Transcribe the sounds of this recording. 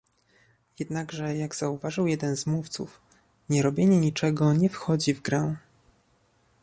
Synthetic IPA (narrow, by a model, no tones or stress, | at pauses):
jɛd̪naɡʐɛjaɡz̥auvaʐɨwjɛd̪ɛnzmuft̪sṵf | ɲɛɾɔbʲjeɲɛɲit͡ʂɛɡɔɲɛfxɔd͡ʑivɡɾɛw̃